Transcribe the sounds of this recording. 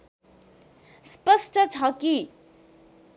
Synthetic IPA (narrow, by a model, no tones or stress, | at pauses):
spʌsʈʌt͡sʰʌki